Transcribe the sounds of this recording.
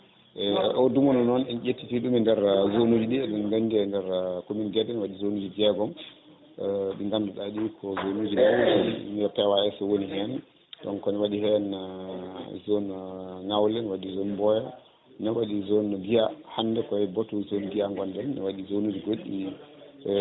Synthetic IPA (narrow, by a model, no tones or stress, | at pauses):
ʔɛʔɔdumɔnɔnɔnɛnʔetːitiɗumindɛɾzonud͡ʒiɗiɗunŋɡandiɛndɛɾkominɡɛdɛnwaɗizonud͡ʒid͡ʒɛɡɔm | ɓiŋɡandɔɗaɗikʰɔzonud͡ʒilawɔn̰nɛpɛwaɛsɔwonihɛn | ɗɔ̰nkɔniwaɗiɦɛn | zonŋawlɛnwaɗizonbɔjɔ | nawaɗizonɡijahanːdɛkɔɛbɔtuzonɡijaŋɡɔndɛnːɛ̰waɗizonud͡ʒiɡoɗːḭɛ